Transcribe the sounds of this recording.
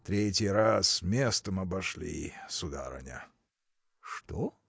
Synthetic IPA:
t̪ɾʲetʲɪjɾasmʲest̪əmɐbɐʂlʲḭsʊd̪a̰ɾɐ̰nʲə̰ | ʂt̪o

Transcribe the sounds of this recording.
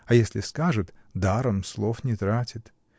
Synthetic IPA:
ɐjesʲlʲɪskaʐɨt̪d̪aɾəmslˠofnʲɪt̪ɾatʲɪt̪

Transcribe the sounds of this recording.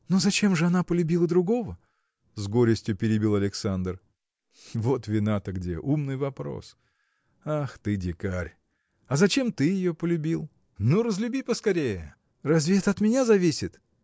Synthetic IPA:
nozɐt͡ɕe̞mʐɨɐn̪apəlʲʉbʲilˠəd̪ɾʊɡo̞və | zɡo̞ɾʲɪsʲtʲjʊpʲɪɾʲɪbʲilˠɐlʲɪksand̪r | vo̞t̪vʲɪnat̪əɡdʲḛʔumnɨjvɐpɾo̰s | axt̪ɨdʲɪkaɾʲ | ɐzɐt͡ɕe̞mt̪ɨjɪjopəlʲʉbʲilˠ | nuɾəzlʲʉbʲipəskɐɾʲejə | rɐzvʲe̞t̪ɐt̪mʲɪnʲazɐvʲisʲɪt̪

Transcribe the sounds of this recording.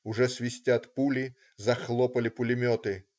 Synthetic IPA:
ʊʐɛsʲʋʲisʲtʲat̪pulʲi | zɐxlˠɔpɐlʲɪpʊlʲɪmʲɔt̪ɪ

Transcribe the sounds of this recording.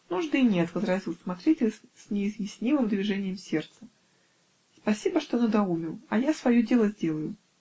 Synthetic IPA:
nuʐd̪ɨnʲet̪vəzɾɐzʲilˠsmɐt̪ɾʲetʲɪlʲssʲnʲɪːzjɪsʲnʲimɨmd̪vʲɪʐɛnʲɪjəmsʲe̞rt̪sə | spɐsʲibəʂt̪o̞nəd̪ɐumʲɪlˠɐjasvɐjodʲe̞lˠəzʲdʲe̞lˠəjʊ

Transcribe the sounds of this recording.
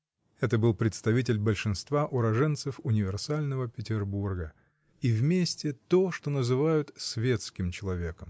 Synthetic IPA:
ɛt̪əbɨlˠpɾʲɪt̪st̪ɐvʲitʲɪlʲbəlʲʂɨnst̪vaʔʊɾɐʐɛnt̪sɨfʊnʲɪvʲɪrsalʲnəvəpʲɪtʲɪrburɡə | ivmʲesʲtʲɪt̪oʂt̪onəzɨvajʊt̪svʲe̞t̪skʲɪmt͡ɕɪlˠɐvʲe̞kəm

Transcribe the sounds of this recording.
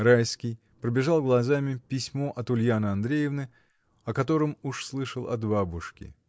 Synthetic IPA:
ɾajskʲɪj | pɾəbʲɪʐalˠɡlˠɐzamʲɪpʲɪsʲmo̞ʔɐt̪ʊlʲjanɨɐnd̪ɾʲejɪvnɨ | ɐkɐt̪o̞ɾəmuʂslˠɨʂəlˠɐ̰t̪babʊʂkʲɪ̰

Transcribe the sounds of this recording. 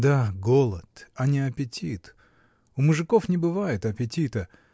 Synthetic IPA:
d̪aɡolˠət̪ɐnʲɪɐpʲɪtʲit̪ | ʊmʊʐɨko̞fnʲɪbɨvajɪt̪ɐpʲɪtʲit̪ə

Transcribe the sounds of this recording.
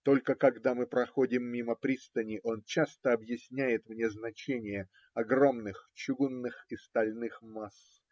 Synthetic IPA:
t̪o̞lʲkəkɐɡd̪amɨpɾɐxo̞dʲɪmːʲiməpɾʲist̪ənʲɪʔo̞nt͡ɕast̪əɐbjɪsʲnʲæjɪt̪mnʲe̞znɐt͡ɕenʲɪjə | ɐɡro̞mnɨxt͡ɕʊɡunːɨxist̪ɐlʲnɨxmas

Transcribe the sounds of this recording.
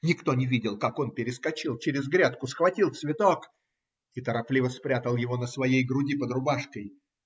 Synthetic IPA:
nʲɪkt̪o̞nʲɪvʲidʲɪlˠkako̞npʲɪɾʲɪskɐt͡ɕilˠt͡ɕɪɾʲɪzɡɾʲat̪̚kʊsxvɐtʲilˠt̪svʲɪt̪o̞k | ɪt̪əɾɐplʲivəspɾʲat̪əlˠjɪvo̞nəsvɐjejɡɾʊdʲipəd̪rʊbaʂkəj

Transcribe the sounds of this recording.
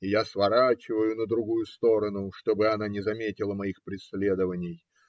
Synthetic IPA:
ɪjasvɐɾat͡ɕɪvəjʊnəd̪ɾʊɡujʊst̪o̞ɾənʊʂt̪o̞bɨɐnanʲɪzɐmʲetʲɪlˠəmɐixpɾʲɪsʲlʲe̞d̪əvənʲɪj

